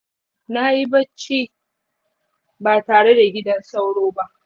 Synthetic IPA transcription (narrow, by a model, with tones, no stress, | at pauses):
na˦ji˦bɐ˦t͡ʃːiː˦ | baː˨taː˨ɽe˦da˨ɡʲɪ˦dɐ˦nsa˦wɽoː˦ba˦ʔ